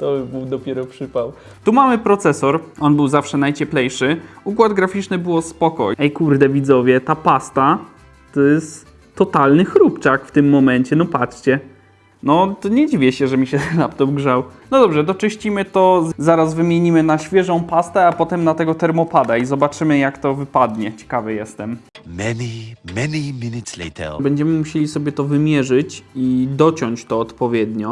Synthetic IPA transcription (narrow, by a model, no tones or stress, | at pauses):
t̪ɔbɘwd̪ɔpʲjɛɾɔpʂɘpaw | t̪umamɘpɾɔt̪sɛsɔɾɔnbɘwzafʂɛnajt͡ɕɛplɛjʂɘukwad̪ɡɾafʲit͡ʂnɘbɘwɔspɔkɔ̰ɛjkuɾd̪ɛvʲid̪zɔvʲjɛt̪apast̪a | t̪ɔjɛst̪ː | ɔt̪alnɘxɾupt͡ʂakft̪ɘmːɔmɛɲt͡ɕɛnɔpatt͡ʂt͡ɕɛ | nɔt̪ɲɛd͡ʑivʲɛɕɛʐɛmʲiɕɛlapt̪ɔmɡʐawnɔd̪ɔbʐɛd̪ɔt͡ʂɨɕt͡ɕimɘt̪ɔzaɾazvɘmʲjeɲimɘnaɕfʲjɛʐɔ̃w̃past̪ɛapɔt̪ɛmnat̪ɛɡɔt̪ɛɾmɔpad̪aizɔbat͡ʂɘmɘjakt̪ɔvɘpad̪ɲɛt͡ɕɛ̥kavɛjɛst̪ɛmmɛnimɛniminɪtslḛt̪ʰɛ̰lbɛɲd͡ʑɛmɘmuɕelʲisɔbʲjɛt̪ɔvɘmʲjɛʐɘt͡ɕid̪ɔt͡ɕɔɲt͡ɕt̪ɔːt̪pɔvʲjɛd̪ɲɔ